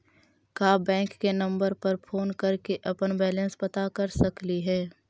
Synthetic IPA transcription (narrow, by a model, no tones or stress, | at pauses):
kaːbɛ̃ːŋkːenɐ̃mbəɾpɐɾpʰoːnkɐɾkeʔɐpənbɛːlə̃nspɐt̪akɐɾsɐkliɦɛː